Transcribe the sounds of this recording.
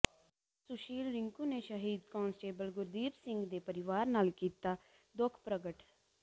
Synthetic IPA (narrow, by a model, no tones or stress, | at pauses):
sʊʃiːlɾɪŋkuːneːʃəɦiːd̪kɔ̃ːnsʈeːbəlɡʊɾd̪iːbsɪ̃ŋɡd̪eːpəɾɪʋaːɾnaːlkiːt̪aː | d̪ʊkʰpɾəɡəʈ